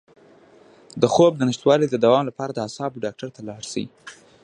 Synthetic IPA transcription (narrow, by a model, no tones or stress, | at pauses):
d̪əxob̚d̪ənɪʃt̪wɑlid̪əd̪awɑmlapɑɾad̪əasɑbɖɑk̚ʈaɾt̪alɑɽsaḭ